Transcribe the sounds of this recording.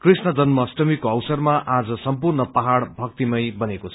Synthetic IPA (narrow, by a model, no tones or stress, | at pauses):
krisnʌd͡zʌnmʌsʈʌmikoʌwsʌrmaʔad͡zʌsʌmpurnʌpaɦaɽbʱʌk̚t̪imʌjbʌnekot͡sʰʌ